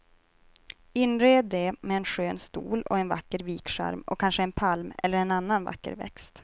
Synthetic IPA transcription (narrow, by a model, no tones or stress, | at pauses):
ɪnːɾeːd̪ːɛmɛːnɧøːnst̪ṵːlɔ̰ɛnva̰kːəɾviːkʂæ̰ɾmɔ̰kʰːanʂəɛnpʰalmɛ̰lːəɾɛnanːanva̰kːə̰ɾvɛ̰kst̪